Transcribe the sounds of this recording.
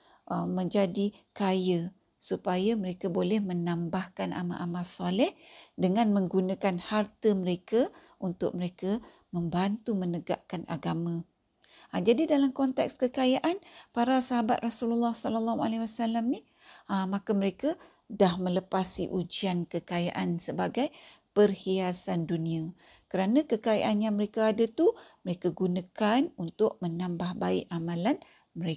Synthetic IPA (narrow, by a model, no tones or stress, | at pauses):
ʔəmə̃ɲd͡ʒadikajə | supajaməɾekabolɛhmənãmbahkana̰mã̰ʔamasɔlɛhdəŋãnmə̃ŋɡunãkanhart̪əməɾeka | ʔunt̪ʊ̰k̚məɾeka | mə̃mbant̪umənəɡa̰ʔkana̰ɡamã | ad͡ʒadidalamkɔnt̪ɛ̰k̚skəkajaʔanpaɾasaɦabat̪̚rasululːɑhsɔlalːaɦualawasalamni | makaməɾeka | dahmə̃ləpasḭʔud͡ʒiankəkaja̰ʔansəbaɡaj | pərhiasandunĩa | kəɾanãkəkaja̰ʔanjaŋməɾekaadat̪uməɾekaɡunãkanunt̪ʊʔ̚mənambahbaɪʔamãlan | məɾe